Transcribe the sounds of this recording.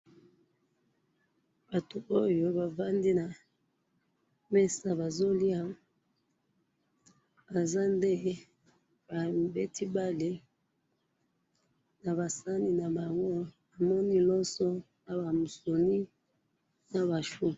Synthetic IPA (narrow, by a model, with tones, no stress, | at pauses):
ba˨to˨ʔo˦jo˦ba˨va˦ndi˦na˨ | mɛ˦sa˦ba˨zo˦li˦a˦ | a˨za˦nde˦ | ba˨be˦tʰi˦ba˦le˦ | na˨βa˨sa˦ni˦na˨ba˨ŋɡo˦ | a˨mɔ˦ni˦lɔ˦sɔ˦ | na˨ba˨mu˨so˨ni˦ | na˨ba˨ʃu˦